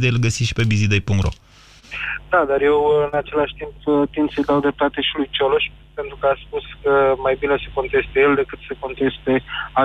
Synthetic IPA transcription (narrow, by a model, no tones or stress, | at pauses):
d̪ejlɡəsiʃi̥pe̞bizid̪ejpuŋkt̪ro̰ | d̪ad̪arje̞wɨnat͡ʃe̞laʃʲt̪impt̪ind̪səjd̪awd̪ɾep̚t̪at̪e̞ʃilujt͡ʃoloʃʲ | pe̞nt̪ɾukəaspuskəmajbineseko̞nt̪e̞st̪ejeld̪e̞kɨt̪seko̞nt̪e̞st̪e̞a